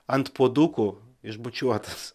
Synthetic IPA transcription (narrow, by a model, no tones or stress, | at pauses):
ɐnt̪puɔd̪ukʊ | ɪʒbʊt͡ʃʲuɔt̪ɐs